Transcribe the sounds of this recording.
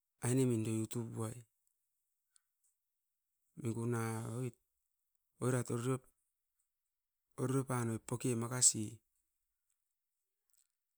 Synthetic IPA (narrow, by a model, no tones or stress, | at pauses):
ajnemindo̞jutubuaj | miɡunaojt̚ | ojɾatoɾɾ | oɾɾopanojpːokemakasi